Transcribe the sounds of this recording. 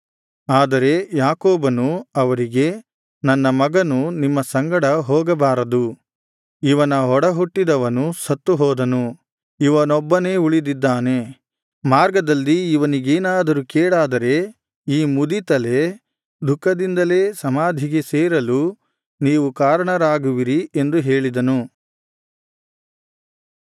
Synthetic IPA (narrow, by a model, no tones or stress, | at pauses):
aːd̪ɐɾe̞jaːkoːbɐnuɐʋɐɾiɡe̞ | nɐnːɐmɐɡɐnunimːɐsɐŋɡɐɽɐɦɔːɡɐbaːɾɐd̪u | iʋɐnɐɦɔɽɐɦuʈːid̪ɐʋɐnusɐt̪ːuɦɔːd̪ɐnu | iʋɐnɔbːɐne̞ːuɭid̪id̪ːaːne̞ | maːɾɡɐd̪ɐlːiːʋɐniɡeːnaːd̪ɐɾukɛːɽaːd̪ɐɾe̞ | iːmud̪it̪ɐle̞ | d̪ʱukːɐd̪ind̪ɐle̞ːsɐmaːd̪ʱiɡeseːɾɐlu | niːʋukaːɾɐɳɐɾaːɡuʋiɾie̞nd̪uɦeːɭid̪ɐnu